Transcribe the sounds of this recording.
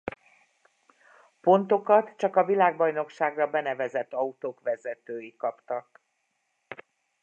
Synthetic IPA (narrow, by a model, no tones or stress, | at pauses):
po̞nt̪o̞kɒt̪t͡ʃɒkɒvilaːɡ̚bɒjno̞kʃaːɡrɒbɛnɛvɛzɛt̪ːɒut̪oːkʋɛzɛt̪øːjikɒpt̪ɒk